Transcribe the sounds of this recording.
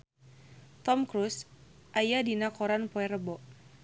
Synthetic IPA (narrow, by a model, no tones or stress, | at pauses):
t̪ɔmkɾusʔajadinakɔɾanpɔɛrəbɔʔ